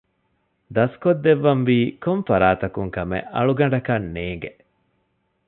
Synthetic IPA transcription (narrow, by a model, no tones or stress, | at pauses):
d̪ɐskod̪ːeʋːɐmʋiːkoɱfɐɾaːt̪ɐkuŋkɐmḛʔɐ̰ɭuɡɐɳɖɐkɐnːeːŋɡe